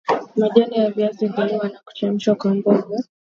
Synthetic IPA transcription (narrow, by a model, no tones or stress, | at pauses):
maʄalijaviaziviniwanaku̥t͡ʃam̩ʃwakwambɔɡɔ